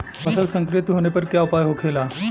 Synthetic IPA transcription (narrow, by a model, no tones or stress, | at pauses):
pəsəlsəŋkɾit̪ɦoɽ̃epəɾkjaupajɦokʰela